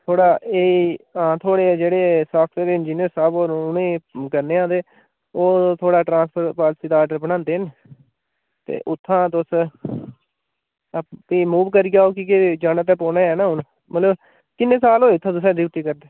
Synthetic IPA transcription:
t̪ʰoːɽaːeːãːt̪ʰoːɽeːd͡ʒeːɽeːsaːk̚ʰtʰeːd̪eɪnd͡ʒiːnijəɾsaːboːɾʊnẽːkəɾneːãːd̪eː | oːt̪ʰoːɽaːʈɾãːspʰəɾpaːlsiːd̪aːɖəɾbəɽãːnd̪eːɦn | t̪ḛːʔʊt̪ʰːãːt̪ʊs | piːmuːʋkəɾiɡaːoːkiːked͡ʒaːnət̪̬ɛːpoːnẽːɛːnãːɦʊn | mət̪ləb | kɪnːẽːsaːlɦoːt̪ʰːãːt̪ʊs̬ɛ̃ːd̪ɪːʈ̪iːkəɾd̪eː

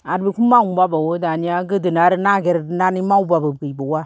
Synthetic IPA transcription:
aɾbikʰumːaŋumbabawodaniaɡɯdɯnaɾnaɡeɾnanimawbababɡɯjbowa

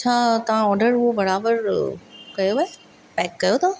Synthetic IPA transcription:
t͡ɕʰaːt̪ɐʋ̤ãɔːɾɖəɾʊɦobɐɾaːbəɾkɐjoʋəe | pɛːkːɐjot̪ʰo

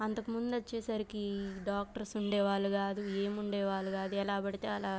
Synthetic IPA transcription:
ɐnt̪ɐkumund̪uɐt͡ʃːɛːsɐɾikiɖaːk̚ʈɐɾsuɳɖɛːʋaːɭːuɡaːd̪ueːmuɳɖɛːʋaːɭːuɡaːd̪uɛlaːbɐɽit̪e̞ːɐlaː

